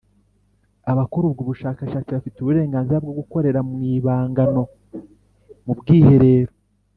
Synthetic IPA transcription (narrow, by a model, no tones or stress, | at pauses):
aβakuɾubɡuːβuʃaːkaʃaːt͡siβafituβuɾe̞ːŋɡaːnziɾabɡo̞ɡuko̞ɾe̞ɾamŋiːβaːŋɡano̞ | mubɡiːhe̞ɾe̞ːɾo